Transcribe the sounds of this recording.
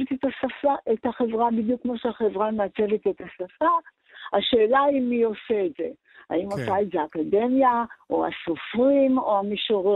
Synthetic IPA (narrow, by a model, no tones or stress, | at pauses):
et̪et̪asafaet̪haχevʁabid̪jukːmo̞ʃeaχe̞vʁameat͡se̞vet̪e̞tasafa | aʃe̞ːlaimio̞seetze̞̰ | a̰imosaetzeakade̞mjaʔoa̰so̞fʁimo̞amiʃoʁ